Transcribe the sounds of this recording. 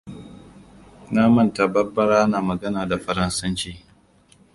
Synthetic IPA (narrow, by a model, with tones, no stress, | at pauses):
na˦mɐ˦˨nta˨bɐ˦bɐ˦ɾaː˦naː˨mɐ˨ɡɐ˦naː˨da˨ɸɐ˦ɾɐ˦nsɐ˦nt͡ʃiː˦